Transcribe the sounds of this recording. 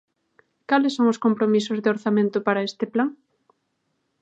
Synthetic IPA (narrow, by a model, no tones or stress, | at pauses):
kalɪsːoŋʊskompɾomisʊzðeoɾθamẽnt̪ʊpaɾɐest̪ɪplaŋ